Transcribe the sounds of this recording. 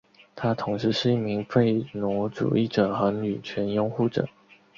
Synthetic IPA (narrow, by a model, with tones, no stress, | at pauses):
t̪ʰa˥t̪ʰʊ˧˥ŋʂɻ̩˧˥ʂɻ̩˥˧i˥˩mi˧˥ŋfe˥˩ɪno˧˥ʈ͡ʂṵ˨˩i˥˩ʈ͡ʂɤ˨˩xɤ˧˥ny˨˩t͡ɕʰɥɛ˧˥njʊ˥ŋxu˥˩ʈ͡ʂɤ̰˨˩˦